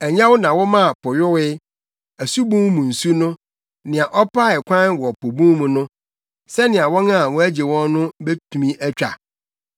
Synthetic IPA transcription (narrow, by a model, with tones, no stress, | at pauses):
æ˨ɲã˦wʊ˦nã˨wɔ˦mã˦˨pʰɔ˨jɔ˦wɪ˦ | æ˨su˦bũ˦mmũ˨n̩˨su˦nʊ̃˦ | nɪ̃˨ã˨ʔɔ˦pʰa˦ɛ˨kʷʰã˦nwɔ˨pʰo˨bũ˦mmũ˨nʊ̃˦ | sɛ˦nɪ̃˨ã˨wɔ̃˦nã˦˨wɔ̃˦æ˦d͡ʑe˨wɔ̃˦nː˦ʊ̃˦be˦tʰu˨mĩ˦ʔæ˦t͡ɕᶣa̰˨